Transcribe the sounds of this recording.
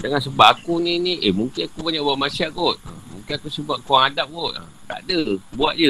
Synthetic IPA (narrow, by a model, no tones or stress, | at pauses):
dəŋansəbaʔakunĩnĩʔemũŋkɪnakubaɲaʔbuaʔmasiaʔɡot̪̚ə̰muŋkɪnakusəbaʔ̚kuaŋadap̚ɡot̪̚a̰ | t̪a̰ʔdəbuaʔ̚d͡ʒə